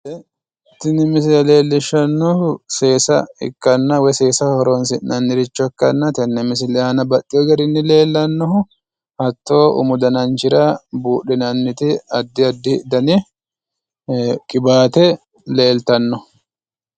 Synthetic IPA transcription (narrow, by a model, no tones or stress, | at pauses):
t̪ɪnɪmɪs̬lɛle̞ːlːɪʃɐnːuʊse̞ːsɐ̰ɪ̰kːɐnːɐwɛseːsɐhɔɾoːns̬ɪnːɐnːɪɾɪt͡ʃːɔkːɐnːɐt̪ɛnːɛmɪs̬ɪlɛhɐːnɐbɐtːɪjɔɡɐɾɪnːɪle̞ːlːɐnːɔhʊ | hɐt̪ːo̞ːʊ̰mʊd̪ɐnɐnt͡ʃɪɾabuːᶑɪnɐnːɪt̪ɪɐd̪ːɪɐd̪ːɪd̪ɐnɛ | kʼɪbaːt̪ɛ | le̞ːlt̪ɐnːɔ